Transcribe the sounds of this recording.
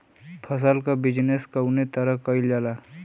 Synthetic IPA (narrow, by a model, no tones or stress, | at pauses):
pʰəsəlkabɪd͡ʒneskəʊnet̪əɾəɦkəild͡ʒala